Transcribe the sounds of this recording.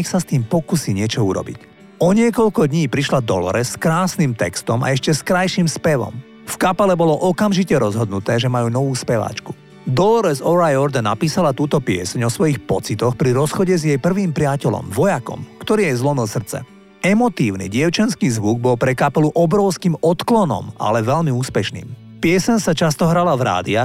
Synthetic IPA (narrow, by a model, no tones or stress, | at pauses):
ɛxsast̪iːmpɔkusiːɲɪɛt͡ʃɔuɾɔ̰bḭc | ɔɲɪɛkɔʎkɔd̪ɲiːpɾiʃlad̪ɔ̰lɔ̰ɾɛsːkɾaːsnimt̪ɛkst̪ɔma̰ɛʃcɛskɾajʃimspɛʋɔ̰m | fkapɛlɛbɔlɔʔɔkamʒicɛɾɔzɦɔd̪nut̪ɛːʒɛmajuːnɔʋuːspɛʋa̰ːt͡ʃku̥ | d̪ɔlɾɛzɔɾajɔɾd̪ɛnːapiːsalat̪uːt̪ɔpɪɛ̰sɛɲɔsʋɔjixpɔt͡sit̪ɔxpɾiɾɔsxɔɟɛzjɛjpr̩ʋiːmpɾɪacɛlɔ̰mʋɔjakɔ̰mkt̪ɔɾiːjɛzlɔmilˠsr̩t͡sɛ̰ | ɛmɔt̪iːʊnḭɟɪɛʊt͡ʃɛnskiːzʋuɡ̚bɔlpɾɛkapɛluʔɔbɾɔʊskiːmɔt̪klɔnɔ̰ma̰lɛʋɛʎmiuːspɛʃnḭːm | pɪɛsɛɲsat͡ʃast̪ɔɦɾalavɾa̰ːd̪ia